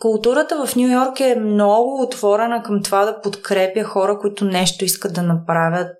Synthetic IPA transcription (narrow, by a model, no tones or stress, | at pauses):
kʊlˠt̪uɾət̪əvɐfnʲjujɔɾkɛmnɔɡʊːt̪v̥ɔɾɛnəkɐmt̪ovad̪ɐpot̪kɾɛpjəxɔɾəkʊit̪ʊnɛʃt̪oiskəd̪̚d̪ɐnɐpɾavʲjət̪̚